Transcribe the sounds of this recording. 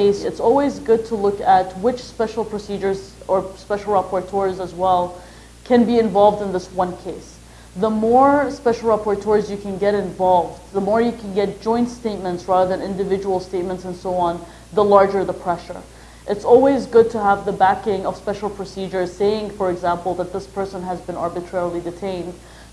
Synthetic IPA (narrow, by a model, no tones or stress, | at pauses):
ɪsɨtsɔlˠwizɡʊd̚tʰəlʊkɨt̚wɪt͡ʃspɛʃl̩ˠpʰɹ̥ɨsid͡ʒə˞z̥ə˞spɛʃl̩ˠɹæpɔɹtʰɔɹzəzwɛlˠ | kʰɨ̃nbiɨ̃ɱvɑlˠvdɨ̃nðɪswʌ̃nkʰeɪs | ðəmɔɹspɛʃl̩ˠɹæpɔɹtʰɔɹzjɨkʰɨ̃nɡɛɾɨ̃ɱvɑlˠvdðəmɔɹjɨkʰɨ̃n̩ɡɛt̚d̥ʒ̥ɔ̃ɪ̃ntsteɪt̚mɨ̃ntsɹæðə˞ðɨ̃nɪ̃ndɨvɪd͡ʒəwl̩ˠsteɪt̚mə̃ntsɨ̃nsoʊɑ̃n | ðəlɑɹd͡ʒə˞ðəpʰɹ̥ɛʃə̰˞ | ʔɨtsɔlˠwizɡʊd̚tʰəəvðəbækɪ̃ŋʌv̥spɛʃl̩ˠpʰɹ̥ɨsid͡ʒə˞z̥seɪɪ̃ŋfə˞ɨɡzæ̃mpl̩ˠðət̪̚ðɪspʰɜ˞sə̃nɨzbɨ̃nɑɹbɨtʰɹ̥ɛɹl̩ˠidɨtʰẽɪ̃nd̥